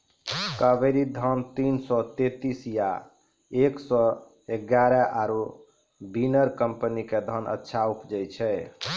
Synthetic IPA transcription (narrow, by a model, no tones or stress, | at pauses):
kəbəɾid̪ʱənt̪insɔt̪et̪isja | eksɔ | eɡaɾɛʔaɾu | binəɾkəmpəniked̪ʱənə̰tːʃʰaupd͡ʒət͡ʃʰɛ